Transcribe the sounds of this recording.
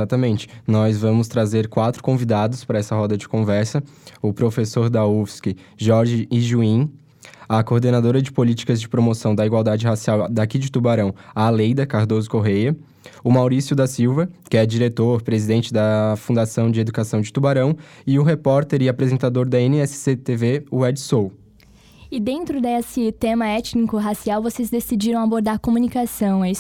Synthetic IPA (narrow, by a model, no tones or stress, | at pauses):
eat̪ɐmẽnt͡ʃɪ̥nɔzvɐ̃mʊst̪ɾazeɾkwat̪ɾʊ̥kõvid̪ad̪ʊspɾɐɛsɐhɔd̪ɐd͡ʒɪkõvɛɾsɐʊpɾofesoɾd̪ɐufskɪ | ʒɔɾʒɪːʒuĩ | ɐkoɾd̪enad̪oɾɐd͡ʒɪpolit͡ʃi̥kɐzd͡ʒɪpɾomosɐ̃w̃d̪ɐiɡwawˠd̪ad͡ʒɪɦasiawd̪akid͡ʒɪt̪ubaɾɐ̃w̃ɐːlejd̪ɐkaɾd̪ozʊkoɦejɐ | ʊmawɾisjʊd̪ɐsiwvɐkɪɛd͡ʒiɾet̪oɾpɾezid̪ẽnt͡ʃɪd̪ɐfũnd̪asɐ̃w̃d͡ʒɪed̪ukasɐ̃w̃d͡ʒɪt̪ubaɾɐ̃w̃ɪʊɦepɔɾt̪eɾɪapɾezẽnt̪ad̪oɾd̪ɐẽnɪɛsɪ̥set̪eveʊɛd͡ʒsow | ɪd̪ẽnt̪ɾʊd̪esɪt̪ẽmɐɛt͡ʃnikʊɦasiawvosezd̪esid͡ʒiɾɐ̃w̃aboɾd̪aɾkomũnikasɐ̃w̃ɛi